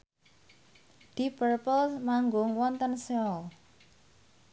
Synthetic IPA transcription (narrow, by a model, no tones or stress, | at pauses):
d̪̥ipərpəlsmaŋɡʊŋwɔnt̪ənseɔl